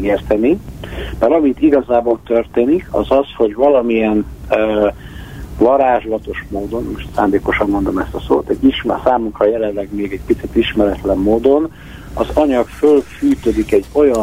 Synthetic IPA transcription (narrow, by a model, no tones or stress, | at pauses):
eːrt̪ɛnib̥ɛɾɒmit̪iɡɒzaːboːlt̪ørt̪eːnikʰɒ̰zɒsho̞ɟvɒlɒmijɛnː | vɒɾaːʒlɒt̪o̞ʃmoːd̪o̞nmoʃt̪sa̰ːnd̪eːko̞ʃɒmːo̞nd̪o̞mɛst̪ɒso̰ːt̪ɛɟːiʃmsaːmuŋkrɒjɛlɛnlɛɡmeːɡɛɟ̚pit̪sit̪iʃmɛɾɛt̪lɛmːoːd̪o̞n | ɒzɒɲɒkfølfyːt̪ød̪ikɛɟːo̞jɒ